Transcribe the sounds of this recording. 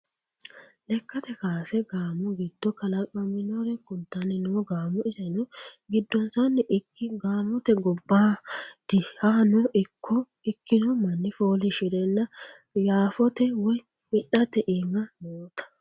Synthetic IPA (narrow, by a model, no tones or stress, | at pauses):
lɛkːɐt̪ɛkaːsɛɡaːmɔɡɪd̪ːɔkɐlɐkʼɐmːɪnoɾɛkʊnt̪ːɐnːɪnoːɡaːmɔɪzɛnɔɡɪd̪ːɔnsanːɛʔɪkːɪɡaːmːɔt̪ɛɡɔbːaːd̪̥ɪhanɔʔɪkʰːɔ | ɪkːɪnɔmɐnːɪfoːlɪʃɪd̪ɛnːɐ | jaːfɔt̪ɛwɔj | mɪɗːɐt̪ɛʔimɐnoːt̪ɐ̥